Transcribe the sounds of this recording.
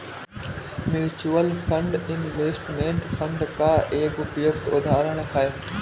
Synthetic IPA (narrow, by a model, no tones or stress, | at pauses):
mjuːt͡ɕuːəlfɐ̃ɳɖɪnʋeːsʈmẽːɳʈfɐ̃ɳɖkãʔeːkpijokt̪ʊd̪ʱaːɾəɽ̃ɦaːeː